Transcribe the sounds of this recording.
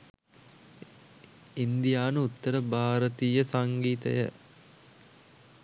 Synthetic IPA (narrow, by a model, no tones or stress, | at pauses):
ind̪ijaːnəut̪ːəɾəbʱaːɾət̪iːjəsaŋɡiːt̪ə̰jə̰